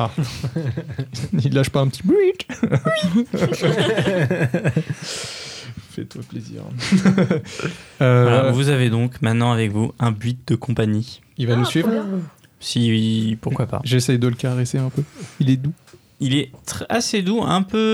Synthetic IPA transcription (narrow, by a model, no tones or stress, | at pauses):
a | ilːaʃpaɛ̃pət̪ʰibit̪ | fɛ̰t̪waplezḭʁ | øalavuzaved̪ɔ̃kmɛ̃t̪nɑ̃avɛkvuɛ̃bɥit̪̚d̪əkɔ̃paɲi | ilvanusɥivʁ | sipuʁkwapa̰ʒesɛjd̪ələkaʁeseɛ̃pøilɛd̪u | ilɛt̪χɛased̪uɛ̃pø